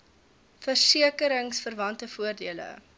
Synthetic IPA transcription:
fərsiəkəɾəŋsfərvɐntəfuərdiələ̰

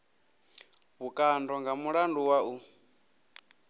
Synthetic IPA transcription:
βukʼandɔŋɡamuɺanduwau

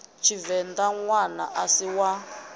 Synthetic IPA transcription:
t͡ʃʰivɛnd̪aŋwana̰ʔasiwa

